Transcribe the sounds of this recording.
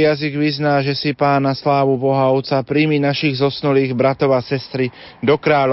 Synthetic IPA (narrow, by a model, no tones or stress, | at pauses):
jaziɡʋiznaːʒɛsipaːnːaslaːʋubɔɦaʊt͡sapɾiminaʃiɣzɔsnuliːɣbɾat̪ɔʊasɛst̪ɾi | d̪ɔkɾaːl